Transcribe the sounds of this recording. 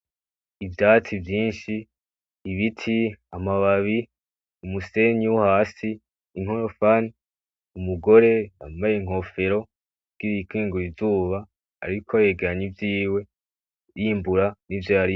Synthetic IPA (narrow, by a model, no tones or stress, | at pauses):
ivdaːt͡sivjiːnʃiː | βitʰiamaβaβi | umuse̞ɲiwuhaːsiː | ŋ̥hoɾofani | umuɡo̞ɾe̞a̰majeŋ̥ɦo̞fe̞ɾo̞ | ɡ̥iɾikʰiːŋɡuɾivuːβa̰ː | ɾikʰoaje̞ːɡe̞ɾaɲivjiːwe̞ | jiːmbuɾanivjaaɾi